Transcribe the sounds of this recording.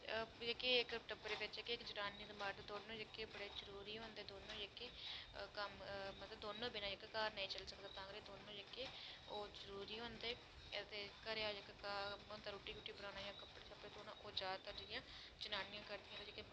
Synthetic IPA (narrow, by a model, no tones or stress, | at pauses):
ekeːɪkʈəpːɾeːʋɪt͡ʃekːeːkd͡ʒʊnaːnĩːd̪əmaːɾd̪ad̪oːnõːd͡ʒekːeːbəɽeːzəɾuːɾiːɦõːnd̪eːd̪oːnõːd͡ʒekːeːkəmmət̪ləbd̪oːnõːbɪnãːɪkːkaːɾnəĩːt͡ʃəlsəkd̪aːt̪ãːɡɾeːd̪oːnõːd͡ʒekːeːoːzəɾuːɾiːɦõːnd̪eː | t̪eːkəɾeaːd͡ʒekkaːond̪aːɾoːʈiːkuːʈiːbəɾaːnaːjãːkəpːɽeːt͡ʃʰapɾeːt̪oːnã̰ːʔoːd͡ʒaːt̪aːd͡ʒɪjãː | t͡ʃʊnaːnɪjãːkəɾd̪ijãːt̪ed͡ʒeke